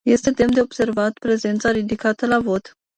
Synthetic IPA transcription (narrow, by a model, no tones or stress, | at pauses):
je̞st̪e̞d̪e̞md̪e̞ob̥se̞rvat̪pɾe̞ze̞nt̪saɾid̪ikat̪əlavo̞t̪